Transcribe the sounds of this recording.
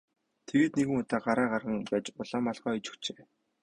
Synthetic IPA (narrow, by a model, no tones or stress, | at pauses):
t̪ʰeɣeːt̪neɣɘ̆ŋʊt̪aːɢaɾæːɢarʁə̆ŋpæːt͡ɕʊɮaːmaɮχɔːijt͡ɕɵ̥kt͡ɕeː